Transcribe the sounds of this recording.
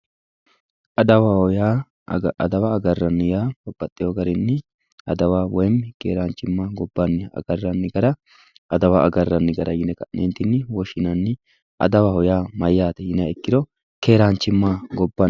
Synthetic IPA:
ʔɐd̪ɐwaɔjaː | ɐd̪ɐwaːɡɐrːɐnːɪjaːɡɔbːɐt̪ʼːɪjoɡɐɾɪnːɪ | ɐd̪ɐwaːwɔjmkeːɾaːnt͡ʃːɪmːaːɡɔbːɐnːɪɐ̰ɡɐrːɐnːɪɡɐɾɐ | ʔɐd̪ɐwaʔɐɡɐrːɐnːɪɡɐɾɐjɪnɛkɐʔnent̪ɪnːɪwɔʃɪnɐnːɪ | ʔɐ̰d̪ɐwahɔjaːmɐjːaːt̪ɛjɪnaɛkːɪd̪ɔ | ke̞ːɾaːnt͡ʃːɪmːaɡɔbːa

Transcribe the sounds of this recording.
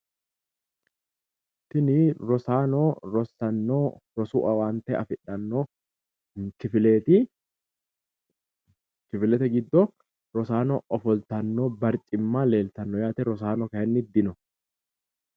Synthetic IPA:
t̪ɪnɪɾɔsaːnoɾɔsɐnːoːɾɔsuːʔɐwaːnt̪ɛɐ̰fɪᶑɐnːoː | kɪfɪleːt̪ɪ | kɪfɪlɛt̪ɛɡɪd̪ːɔ | ɾɔsaːnɔ̰ʔɔfɔlt̪ɐnːoːbɐɾt͡ʃʼɪmːaːle̞ːlt̪ɐnːɔjaːt̪ɛɾɔs̬aːnɔkɐhɛnːɪd̪ɪnɔ

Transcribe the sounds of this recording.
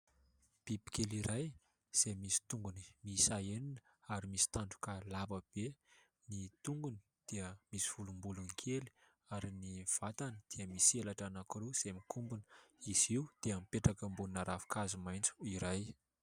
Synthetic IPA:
b̥ibi̥keliɾaj | z̥emisi̥t̪uŋɡuni̥misaeninə̥ | aɾimisi̥t̪aɳɖ͡ʐu̥kalabəb̥e | nit̪uŋɡuni̥ | d̪̥iəmisiv̥ulumbulunikʰeli̥ | aɾiniv̥at̪anəd̪̥eəmiselaʈ͡ʂanakuɾuz̥emikʰumbunə̥iziud̪̥eamipeʈ͡ʂakəmbunnaɾavi̥kazumajnt͡su̥iɾaj

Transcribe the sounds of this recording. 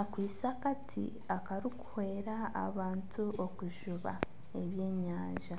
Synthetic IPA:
akwiːsakatʰḭ | akaɾiku̥hwe̞ːɾa̰ːβaːntʰuokuʒuβa̰ | e̞βje̞ːɲaːɲʒa

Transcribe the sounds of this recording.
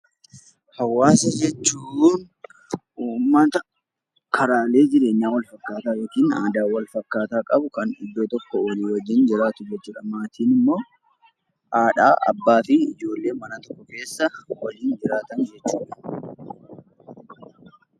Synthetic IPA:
hɐwːaːsɐd͡ʒɛt͡ʃːuːn | ʔuːmːɐt̪ɐ | kʰɐɾaːle̞ːd͡ʒɪɾe̞ːɲːaːwɐlfɐkːaːt̪aːjoːkiːna̰ːd̪aːwɐlfɐkːaːt̪aːkʼɐbʊkɐnɪ̰d̪ːoːt̪ɔkːɔwɐliːwɐd͡ʒːɪnd͡ʒɪɾaːt̪ʊd͡ʒɛt͡ʃːɪᶑɐmaːt̪iːnɪmːo̞ː | ʔaːᶑa̰ːʔɐ̰bːaːfɪɪ̰d͡ʒo̞ːlːe̞ːmɐnɐt̪ɔ̥kːɔke̞ːsːɐwɐliːnd͡ʒɪɾaːt̪ɐnd͡ʒɛt͡ʃːuːᶑɐ̥

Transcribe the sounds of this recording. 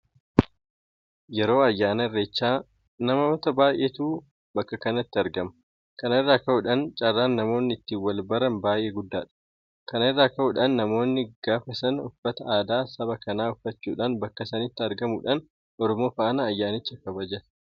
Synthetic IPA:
jɛɾo̞ːɐjːaːnɐɪrːet͡ʃːaː | nɐmɐɔt̪ɐbaːjʔeːt̪uː | bɐkːɐkɐnɐt̪ːɪɐɾɡɐmɐ̥ | kɐnɪrːaːkɐʔʊᶑɐnt͡ʃʼɐrːaːnːɐmo̞ːnːɪɪt̪ːiːwɐlbɐɾɐnbaːjʔeːɡʊd̪ːa̰ːᶑ̥ | kɐnɪrːaːkɐʔʊᶑɐnːɐmo̞ːnːɪɡ̥aːfɐsɐnʊfːɐt̪ɐʔaːd̪aːsɐβɐkɐnaːʊfːɐt͡ʃːuːᶑanbɐkːɐsɐnɪt̪ːɪɐɾɡɐmuᶑɐn | ʔɔɾɔmoːfɐʔɐnɐːjːaːnɪt͡ʃːɐkɐbɐd͡ʒɛᶑ

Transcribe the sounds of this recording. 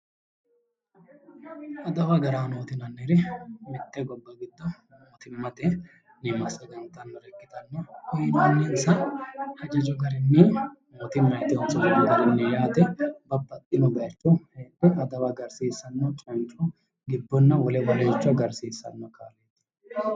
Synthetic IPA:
ʔɐd̪ɐwɐɡɐɾaːnoːt̪ɪnɐnːɛɾɛmɪt̪ːɛɡɔbːɐɡɪd̪ːɐ | noːt̪ɪmːɐt̪ɛ | nɪmɐsɐɡɐnt̪ɐnːɔɾɛkːɪt̪ɐnːɐhʊjnɐnːinsɐhɐd͡ʒɐd͡ʒɔɡɐɾɪnːimoːt̪ɪmːɐjt̪ːɪɔnsɔnːɔɡɐɾɛnːɛjaːt̪ɛbɐbːɐt̪ʼːɪnɔbɐt͡ʃːɔheːt̪ːɛɐd̪ɐwɐɡɐɾsiːsɐnːɔt͡ʃʼɐnt͡ʃʼɔ | ɡɪbːɔnːɐwɔlɛbɐleːt͡ʃːʊɐɡɐɾsiːsːɐ̰nːɔkʰa̰ːlet̪ː

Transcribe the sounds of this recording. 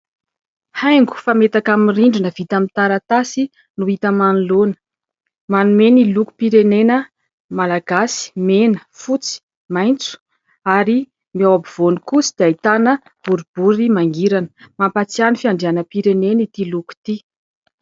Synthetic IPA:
hajŋɡu̥famet̪akamiriɳɖ͡ʐinəv̥it̪amint̪aɾat̪asi | nuit̪əmanlonə̥ | manumeniluku̥piɾenenə | malaɡasi̥menə̥fut͡si̥ | majnt͡su̥ | aɾi | miawabiv̥onikusi̥d̪̥eait̪anə | b̥uɾib̥uɾimaŋɡiɾanə̥mampat͡sianifiaɳɖ͡ʐianəpiɾenenit̪iluku̥t̪i

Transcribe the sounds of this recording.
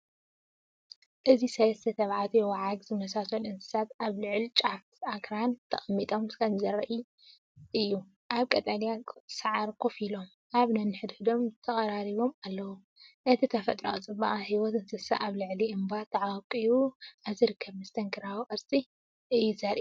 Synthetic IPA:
ʔɨzisɐlɐst̪ʰɐt̪ʰɐβʕat̪ʰujɛwɐʕaɡzɨmɐsasonɨnt̪ʰɨ̥sat̪aβlɨʕlt͡ʃʼaft̪akɾant̪ʰɐχʼɐmːit̪ʼomkʰɐmzɐɾɐʔi | ʔɨjːu | ʔaβkʼɐt̪ʼɐnjasaʕaɾkʰofilo̞m | ʔaβnɐnːɨħɨd̪ħɨd̪o̞mt̪ʰɐχʼɐɾaɾiβo̞malːɐwu | ʔɨt̪ʰit̪ʰɐfɐt̪ʼɾo̰t͡sʼɨbaʔʼhiwɔt̪ɨnzɨsa̰ʔaβlɨʕliɨmbat̪ʰɐʕawkʼɨjuʔaβziɾɨkʰːɐβmɨst̪ʰɐŋkʰɨɾawʔʼɐɾsʼi | ʔɨjːuzɐɾʔi

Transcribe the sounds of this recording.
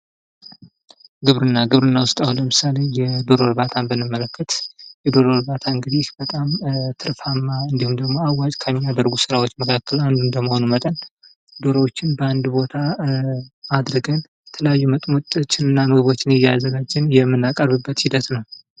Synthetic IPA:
ɡɨβɾɨnːaɡɨβɾɨnːawʊst̪ʼawuləmɨsale̞jɛd̪o̞ɾoɾbat̪ʰanbənːɨmːələkʰːət̪jɛd̪o̞ɾoɾbat̪ʰaɨŋɡɨd̪ihbət̪ʼamt̪ʰɨɾfamːaɨnd̪ihumd̪əɡmo̞awat͡ʃʼkʰəmːiad̪əɾɡusɨɾawot͡ʃːməkʰakːəland̪undəməho̞numət̪ʼən | d̪o̞ɾəwot͡ʃːɪnbəand̪bo̞t̪ʰa | ad̪ɾɨɡən | ɛt̪ʰələjajːumət̪ʼmot̪ʼt͡ʃːɪnɨnːaməβo̞t͡ʃːɪnjɛjːazəɡad͡ʒːɪnjɛmːɨnːakʼəɾβɨbːət̪hid̪ət̪nəw

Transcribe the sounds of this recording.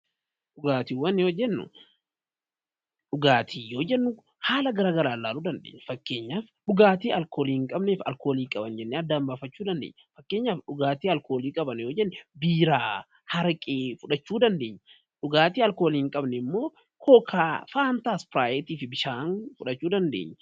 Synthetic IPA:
ᶑʊɡaːt̪iːwɐnːɪjod͡ʒɛnːʊ̰ | ᶑʊɡaːt̪ʰiːjo̞ːd͡ʒɛnːʊ | haːlɐɡɐɾaːɡɐɾaːlːaːluːd̪ɐnd̪ḛːɲːɐfɐkːe̞ːɲːaːfɗʊɡaːt̪iːɐlkoːliːŋkʼɐbneːfɐ̰lko̞ːliːkʼɐbɐnd͡ʒɛnːɛɐd̪ːaːmbaːfɐt͡ʃːuːd̪ɐnd̪ḛːɲːɐfɐkːeːɲːaːfɗʊɡaːt̪iːɐlkʰo̞ːliːkʼɐbɐnjo̞ːd͡ʒɛnːɛbiːɾaː | hɐɾkʼeːfʊᶑɐt͡ʃːuːd̪ɐnd̪e̞ːɲːɐ | ᶑʊɡaːt̪iːɐlkoːliːŋkʼɐbnɛɪmːoː | kʰoːkʰaːfaːnt̪aːspɾaːjɛt̪iːfɪbɪʃaːnfʊᶑɐt͡ʃːuːd̪ɐnd̪ḛːɲːɐ

